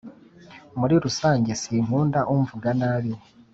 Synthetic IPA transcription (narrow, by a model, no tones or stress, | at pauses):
muɾiɾusaːɲɟe̞siːm̥huːndaʔuɱvuɡanaβi